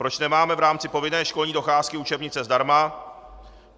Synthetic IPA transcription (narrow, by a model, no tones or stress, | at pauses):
pɾo̞t͡ʃnɛmaːmɛvɾaːmt͡sɪpo̞vɪnɛːʃko̞lɲiːdo̞xaːskɪut͡ʃɛbɲɪt͡sɛzdaɾma